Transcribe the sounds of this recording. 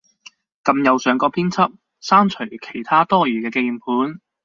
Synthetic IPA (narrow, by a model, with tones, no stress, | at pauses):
kɐ˧mjɐ˨˧wsœː˨˧ŋkɔː˧pʰiː˥nt͡sʰɐ˥p̚ | saː˥nt͡ʃʰɵ˨˩ɥkʰe˨˩jt̪ʰaː˥t̪ɔː˥jyː˨˩kɛː˧ke˧jmpʰuː˨˥n